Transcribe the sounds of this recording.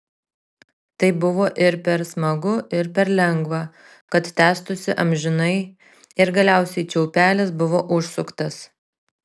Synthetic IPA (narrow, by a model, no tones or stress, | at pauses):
t̪ɐɪbʊʋoːʔɪɾpʲɛɾsmɐɡʊʔɪɾpʲɛɾlʲɛŋɡʋɑː | kɐt̪t̪ʲæːst̪ʊsʲɪʔɐmʲʒʲɪnɐɪ | ɪɾɡɐlʲæˑʊsʲɛɪt͡ʃʲɛʊpʲæːlʲɪs̬bʊʋoːʔʊʃsʊkt̪ɐs